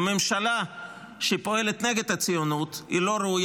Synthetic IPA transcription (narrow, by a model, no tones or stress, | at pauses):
me̞mʃala | ʃepo̞e̞let̪ne̞ɡe̞d̪hat͡sijonut̪ḭlo̞ɾeuj